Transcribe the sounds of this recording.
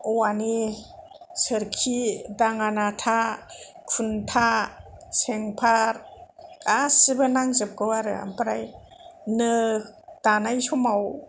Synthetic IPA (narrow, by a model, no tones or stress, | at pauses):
ɔwani | səɾkʰidaŋanatʰa | kʰuntʰa | seŋpʰaɾ | asibɯnaŋzɯp̚kɯwaɾɯ̰a̰mpaɾaj | nɯd̥anajsɔmaw